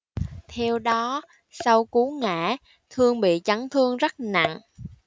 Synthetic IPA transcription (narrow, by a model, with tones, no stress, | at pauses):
t̪ʰɛ˧wɗɔ˨˦ | sa˧wku˨˦ŋa̰ː˧˩ | t̪ʰɨ˧əŋɓḭ˧˨t͡ɕa˨˦ŋt̪ʰɨ˧əŋzə˦˥t̚na̰˧˨ŋ